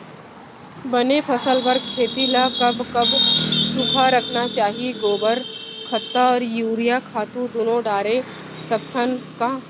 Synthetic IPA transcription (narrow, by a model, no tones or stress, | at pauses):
bɐnepʰɐsəlbəɾɡkʰeːt̪ilakɐbkɐbt͡ʃupʰaɾɐkʰnat͡ʃaːɦieɡoːbəɾkʰɐt̪ːaɔːɾjuːɾijakʰaːt̪ũd̪oːnõɖaːɾe | sɐpt̪ʰənka